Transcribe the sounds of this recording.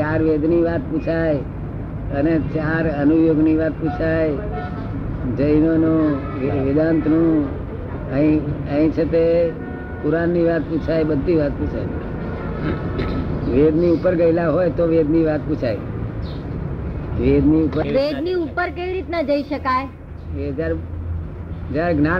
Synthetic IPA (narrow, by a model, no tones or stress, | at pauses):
t͡ʃaɾʋed̪niʋat̪̚put͡ʃʰaj | ənet͡ʃaɾənujoɡniʋat̪̚put͡ʃʰaj | d͡ʒəjnonũ | ʋɪd̪ant̪nũ | əɦĩəɦĩt͡ʃʰet̪e | puɾanːiʋat̪put͡ʃʰajbəd̪ʱːiʋat̪̚put͡ʃʰaj | ʋed̪niupəɾɡəɪlaɦojt̪oʋed̪niʋat̪put͡ʃʰaj | ʋed̪niupəʋed̪niupəɾkeʋiɾit̪nəd͡ʒəiʃəkaj | ʋeɦəd͡ʒaɾ | d͡ʒaɾɡnã